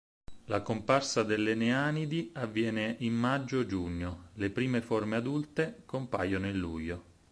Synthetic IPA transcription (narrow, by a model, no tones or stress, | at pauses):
lakomparsad̪elːeneaːnid̪iavːjɛːneʔimːad͡ʒːod͡ʒuɲːolepɾiːmeformead̪ult̪ekompa̰jonoilːṵjo